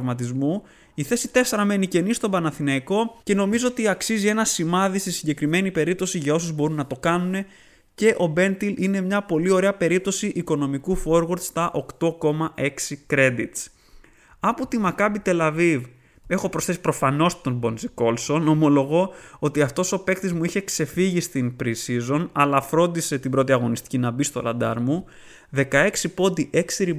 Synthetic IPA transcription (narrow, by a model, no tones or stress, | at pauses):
vmɐt̪izmu | iθe̞sit̪e̞se̞ɾɐme̞nice̞nist̪o̞bɐnɐθinɐiko̞ce̞no̞mizo̞ot̪iɐksizie̞nɐsimɐðisesiɲɟe̞kɾime̞nipe̞ɾip̚t̪o̞siʝɐo̞suzbo̞ɾunːɐt̪o̞kɐnune̞ | ce̞ʔo̞be̞nt̪iline̞mɲɐpo̞lio̞ɾe̞ɐpe̞ɾip̚t̪o̞siʔiko̞no̞mikufo̞ɾɣoɾt̪st̪ɐʔo̞kt̪o̞ko̞mɐʔe̞ksikɾe̞d̪it̪s | ɐpo̞t̪imɐkɐbit̪e̞lɐviv | e̞xo̞pɾo̞sθe̞si̥pɾo̞fɐno̞st̪o̞nbo̞nziko̞lso̞no̞mo̞lo̞ɣo̞ot̪iɐft̪o̞so̞pe̞kt̪izmuiçe̞kse̞fiʝist̪inpɾisizo̞nɐlɐfɾo̞nd̪ise̞t̪ibɾo̞t̪iɐɣo̞nist̪i̥cinɐbist̪o̰lɐ̰d̪ɐ̰ɾmu | ðe̞kɐe̞ksipo̞d̪iʔe̞ksiɾi